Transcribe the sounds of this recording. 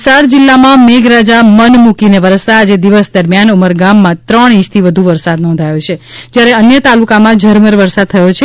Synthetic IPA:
saɾd͡ʒilːamãmeɡɾad͡ʒamənmukineʋəɾəst̪aːd͡ʒed̪iʋəsd̪əɾmjanuməɾɡamːãt̪ɾəɳ̃ĩt͡ʃt̪ʰiʋəd̪ʱuʋəɾsad̪nɔ̃nd̪ʱajot͡ʃʰed͡ʒjaɾeənjət̪alukamãd͡ʒʱəɾməɾʋəɾsad̪̚t̪ʰəjot͡ʃʰe

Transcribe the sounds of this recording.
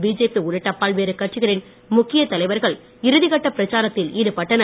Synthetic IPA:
biːd͡ʒeːpiʊɾɯʈːɐpːaːɭʋeːɾɯkɐʈ̚t͡ʃɪɣɐɾɪn | mʊkːɪjɐt̪ɐlɐɪʋɐɾɣɐɭ | ɪɾɯðɪɣɐʈːɐpɪɾɐt͡ʃaːɾɐt̪ːɪliːɾɯpɐʈːɐnɐ

